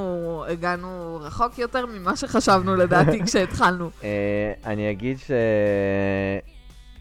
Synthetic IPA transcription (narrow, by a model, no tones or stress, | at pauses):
ueɡanuʁaχo̞kjot̪e̞ʁmimaʃe̞χaʃavnuledaːtikʃeːt̪χalnueanijaɡid̪ʃe